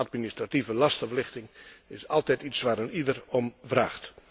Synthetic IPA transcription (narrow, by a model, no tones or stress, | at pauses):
at̚ministrativəlɑstəvlɪxtɪŋɪsɑlˠtɛjtitsʋaːɾənidərɔmvraːxt